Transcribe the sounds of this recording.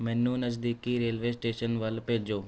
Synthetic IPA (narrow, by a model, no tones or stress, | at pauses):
mɛ̃ːnːũːnəzd̪iːkiːɾeːlʋeːsʈeːʃənʋəlpeːd͡ʒoː